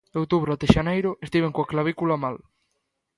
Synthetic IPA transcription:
owt̪uβɾoat̪eʃanejɾʊest̪iβ̞eŋkoaklaβikulamal

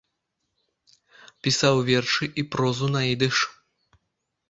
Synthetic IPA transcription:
pʲisawvʲɛrʂɨʔipɾɔzunaid̪ɨʂ

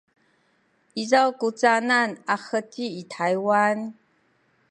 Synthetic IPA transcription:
izawkut͡sʼananaxətʰiːtʰajwan

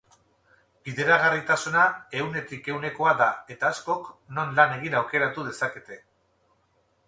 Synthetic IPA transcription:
b̥iðe̞ɾaɣ̞arit̪asunae̞wne̞t̪ike̞wne̞ko̞aðae̞t̪aːsko̞kno̞nlane̞ɣ̞inawke̞ɾat̪uð̞e̞sake̞t̪e̞

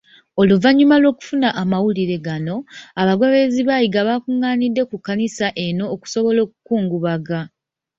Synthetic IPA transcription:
o̞luvaɲːumalwo̞ːku̥funaʔamawuliɾe̞ɡano̞aβaɡwaβe̞ziβaːjiɡaβakuŋːaːnidːe̞kukːanisaʔe̞no̞ːku̥so̞βo̞lo̞ːk̚u̥kuːŋɡuβaɡa

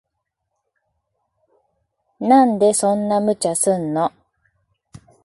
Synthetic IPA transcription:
nãnd̪e̞sõ̞nːamɯ̟t͡ɕasɨnːo

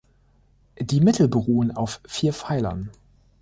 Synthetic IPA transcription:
d̥iːmɪtʰl̩bəʁoːəna̰ʊffiːɐfaɪlɐ̰n

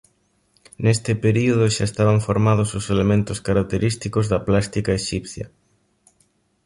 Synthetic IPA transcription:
nest̪ɪpeɾioð̞ʊʃa̰est̪aβ̞aɱfoɾmað̞ʊsʊselemẽnt̪ʊskaɾak̚t̪eɾist̪ikozðɐplast̪ikaeʃipθjɐ̰

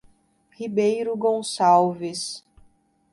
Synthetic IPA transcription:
hibejɾʊɡõsawvɪs

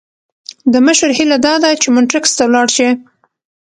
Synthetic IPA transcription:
d̪əməʃəɾhilad̪ɑd̪ajt͡ʃemʊnʈɾɪkst̪awlɑɽʃi

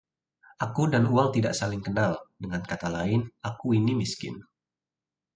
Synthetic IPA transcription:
ʔakudanuwaŋt̪ida̰ʔsalɪŋkənaldəŋankat̪alaɪnakuinimiskɪ̰n

